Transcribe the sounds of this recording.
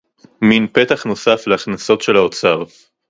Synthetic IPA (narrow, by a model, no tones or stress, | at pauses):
minpe̞t̪aχno̞safleaχnaso̞tʃe̞laot͡sav